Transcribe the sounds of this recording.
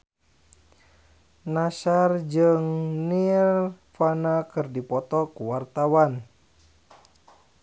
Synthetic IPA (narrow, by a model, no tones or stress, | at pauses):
nasard͡ʒɨŋnil | fanakɨrdipɔt̪ɔkuwart̪awan